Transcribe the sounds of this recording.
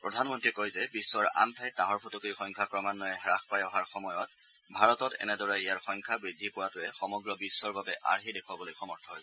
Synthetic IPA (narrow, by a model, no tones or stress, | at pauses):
pɹɔdʱanmɔntɹikojzɛbisːɔɹa̰mtʰajtaɦɔɹpʰotokɹixɔŋkʰakɹɔmanːɔjɛɦɹaxpajɔɦaɹxɔmɔjɔt̚ | bʱaɹɔtɔtɛ̰nɛdɔɹaijaɹxɔŋkʰabɹidʱːipʊwatʊɛxɔmɔɡɹɔbisːɔɹbabɛʔa̰ɹxidekʰwabɔlojxɔmɔɹtʰɔɦojsɛ̥